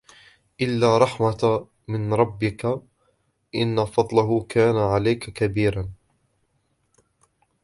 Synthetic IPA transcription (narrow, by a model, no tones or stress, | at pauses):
ʔɪlːaːɾˤɑħma | mɪnɾˤɑbːɪka | ʔɪnːafɑd̪ˤlaɦʊkʰaːnaʕalajkakabiːɾan